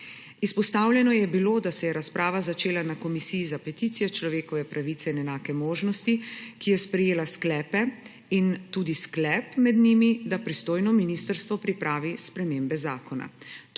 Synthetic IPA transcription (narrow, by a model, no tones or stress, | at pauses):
ispɔst̪awljɛnɔjɛbiloːd̪asɛjɛɾaspɾʔaːʋazat͡ʃeːlanakɔmisiːzapɛt̪it̪sijɔt͡ʃlɔʋeːkɔʋɛpɾaʋit̪sɛinɛnaːkɛmoːʒnɔst̪ikijɛspɾɛjeːlasklɛːpɛ | int̪uːd̪isklɛːpmɛd̪nimid̪apɾist̪oːjnɔminist̪əɾst̪ʋɔpɾipɾaːʋispɾɛmeːmbɛzaːkɔna̰